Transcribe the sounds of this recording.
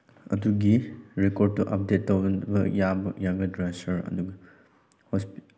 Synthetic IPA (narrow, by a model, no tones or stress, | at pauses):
ɐduɡiɾekod̚tuʔɐp̚detːɐwbɐjabɐjaɡɐdɾasɐɾɐ̰duɡɐ | hɔsp